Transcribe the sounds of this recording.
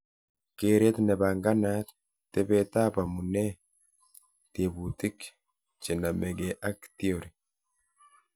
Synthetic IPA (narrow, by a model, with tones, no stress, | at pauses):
ke˦ɾe˦t̪nɛ˨ba˨ŋɡa˦na˦t̪ | t̪ɛ˦bɛt̪a˦pa˨mu˨nɛ˦ | t̪e˨but̪ɪ˦k | t͡ʃe˨na˨mɛ˨ɡeʔa˦kt̪i˦oɾi˨